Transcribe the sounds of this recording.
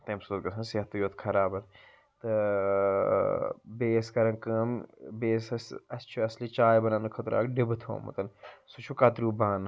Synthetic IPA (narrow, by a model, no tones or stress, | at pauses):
t̪ɐmsut̪̚ɡɐsʰɐnseɦɐt̪ːɨjoːt̪kʰɐɾaːbɐɾ | t̪ɨ | beːskɐɾɐnkəːmbeːsɐsɐst͡ʃʰuɐslit͡ʃaːjbɐnaːnɨkʰɐt̪ɾa̰ːkɖibɨt̪ʰo̰ːmɐ̰t̪ɐnsut͡ʃʰukɐt̪ɾuːbaːn